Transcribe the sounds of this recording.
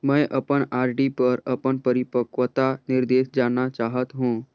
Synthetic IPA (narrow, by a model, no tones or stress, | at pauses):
məjʔəpəɳaːɾɖipəɾəpəɳpəɾipəkʋət̪anɪɾd̪eːʃd͡ʒanat͡ʃaːɦət̪ɦũː